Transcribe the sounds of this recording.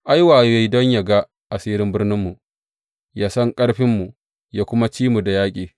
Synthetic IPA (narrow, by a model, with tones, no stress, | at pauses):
ʔa˦jwaː˨jja˦jdɔ˦ɲja˨ɡa˦ | ʔa˨siː˦ɾɪ˦mbɪ˦rnɪ˦mːu˨ | jaː˦sɔ˦ŋkʼɐ˦ɽɸɪ˦mːu˨ | ja˦kʷʊ˦ma˦t͡ʃiː˦mu˨da˨jaː˦kʲʼiː˨